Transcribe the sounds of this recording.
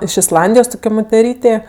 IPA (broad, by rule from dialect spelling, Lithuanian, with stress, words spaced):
ɪʃ ɪsˈlˠɐnʲdʲɪjoːs ˈtʊkʲoː moːtʲɛˈrʲiːtʲeː